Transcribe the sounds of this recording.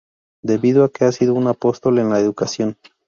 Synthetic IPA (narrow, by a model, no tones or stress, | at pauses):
d̪e̞βiðoake̞asiðo̞unapo̞st̪o̞le̞nlaeðukasjo̞n